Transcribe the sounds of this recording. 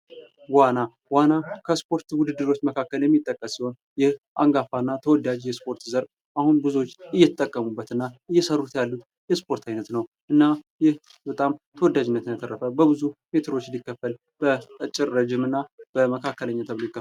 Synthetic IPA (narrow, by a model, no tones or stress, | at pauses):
wana | wanakʰəspʰo̞ɾt̪wʊd̪ɨd̪ːɨɾo̞t͡ʃːməkʰakːəljɛmːit̪ʼːəkʼːəssiho̞n | jɛhʔa̰ŋɡafanːat̪ʰəwɔd̪ːad͡ʒjɛspʰo̞ɾt̪zəɾ | ʔahunbɨzuot͡ʃːɨjːɛt̪ʼːəkʼːəmubːət̪ɨnːaɨjːɛsərːut̪jalːut̪ | jɛspʰo̞ɾt̪ʰajnət̪nəw | ʔɨnːajɪh | bət̪ʼamt̪ʰəwɔd̪ːad͡ʒɪnːət̪ɨnət̪ʰəɾːəfəbəbɨzume̞t̪ʰɨɾo̞t͡ʃːɪnd̪ikːəfːəl | b̥əɨt͡ʃʼːɪɾːəd͡ʒɪmɨnːab̥əməkʰakːələɲːat̪ʰəβlojkːə